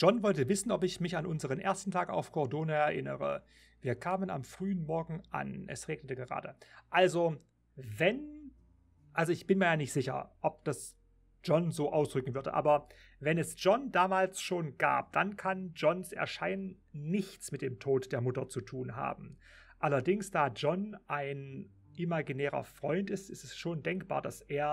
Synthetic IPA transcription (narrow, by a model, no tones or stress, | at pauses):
ʒ̥ɔnvɔltəvɪsn̩ɔpɪçmɪçanʔʊnzəʁ̞ənʔḛːɐstn̩tʰaːka̰ʊfkʰɔɐdoːnəɛɐʔɪnəʁə̰ | viːɐkʰaːməna̰mfʁ̥yːənmɔɐɡŋ̩ʔa̰nʔɛ̰sʁeːɡnətəɡəʁa̰ːdəʔalzo | vɛn | ʔalzoɪçb̥ɪnmiːɐjaːnɪçtz̥ɪçɐ̰ʔɔp̚d̥as | d͡ʒ̥ɔnzoːʔaʊsd̥ʁʏkŋ̩vʏɐdə̰ʔa̰ːbɐ | vɛnɛsd͡ʒ̥ɔndaːmaːlsʃoːnɡa̰ːp̚d̥ankʰand͡ʒɔnsɛ̰ɐʃaɪnənː | ɪçt͡smɪt̚d̥eːmtʰoːtd̥eːɐmʊtɐt͡sutʰuːnɦa̰ːbm̩ | ʔalɐdɪŋsd̥aːd͡ʒɔnʔaɪn | ʔimaɡinɛːʁɐ̰fʁ̥ɔʏntɪstɪstɛsʃoːndɛŋkb̥a̰ːɐdasʔeːɐ